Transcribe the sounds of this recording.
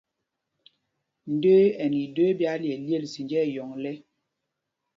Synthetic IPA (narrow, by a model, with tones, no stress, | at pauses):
n̩˨de˦ɛ˨ni˨do˦bja˦ljɛ˨lje˦˨lsi˨nd͡ʒɛ˦˨jɔ˨ŋlɛ˦